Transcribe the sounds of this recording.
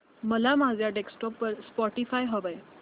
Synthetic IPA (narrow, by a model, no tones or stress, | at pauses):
məlamad͡zʱjaɖeksʈɔpːəɾspɔʈifajɦɔʋəj